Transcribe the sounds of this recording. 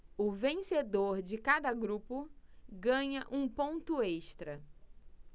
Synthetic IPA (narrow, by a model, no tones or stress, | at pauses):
ʊvẽsed̪oɾd͡ʒɪkad̪ɐɡɾupʊɡɐ̃ɲɐʔũpõnt̪ʊeʃt̪ɾɐ